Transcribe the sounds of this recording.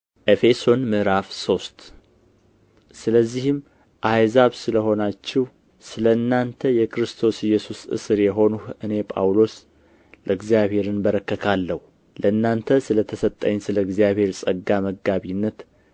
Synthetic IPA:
ʔe̞fe̞so̞nmɨɾafso̞st̪ | sɨləzːihɨm | ʔajzaβsɨləho̞nat͡ʃːɪh | sɨləɨnːant̪ʰəjɛkʰɨɾɨst̪ʰo̞sɪjɛsusɨ̰sɨɾjɛɦo̞nuhɨne̞pʼa̰wlo̞s | ləɨɡzijaβhe̞ɾɨnbəɾəkːəkʰalːəhu | ləɨnːant̪ʰəsɨlət̪ʰəsət̪ʼːə̰ɲːsɨləɨɡzijaβhe̞ɾsʼəɡːaməɡaβinːət̪

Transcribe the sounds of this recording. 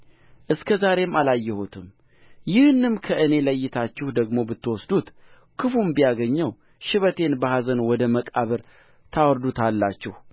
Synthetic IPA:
ʔɨskʰəzaɾe̞malajːɛhut̪ʰɨm | jɪhɨnːɨmkʰəʔɨne̞ləjːɪt̪ʰat͡ʃːɪhd̪əɡmo̞bɨt̪ːɨwɔsd̪ut̪ | kʰɨfumbijaɡəɲːəw | ʃɪβət̪ʰe̞nbəhazənwɔd̪əməkʼaβəɾ | t̪ʰawɔɾd̪ut̪ʰalːat͡ʃːɪh

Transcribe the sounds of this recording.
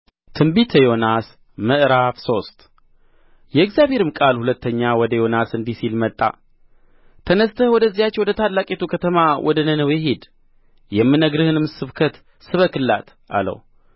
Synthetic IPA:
t̪ʰɨmbit̪ʰəjo̞nas | məʔɾafso̞st̪ʼ | jɛɨɡzjaβhe̞ɾɨmkʼalhulət̪ːəɲːawɔd̪əjo̞nasɨnd̪isilmət̪ʼːa̰ | t̪ʰənəst̪ʰəhwɔd̪əzːijat͡ʃːɛwɔd̪ət̪ʰad̪lakʼet̪ʰukʰət̪ʰəmawʔɔd̪ənənəwjɛɦed̪ | jɛmːɨnəɡɾɨhɨnɨmsɨβkʰət̪ | sɨβəkɨlːa̰t̪ | ʔa̰lə̰w

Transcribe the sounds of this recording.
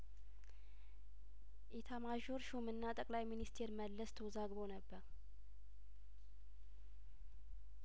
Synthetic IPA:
ʔɛt̪ʰamaʒoɾʃumɨnːat̪ʼəkʼlajminist̪ʰe̞ɾməlːəst̪ʰəwzaɡbo̞nəbːəɾ

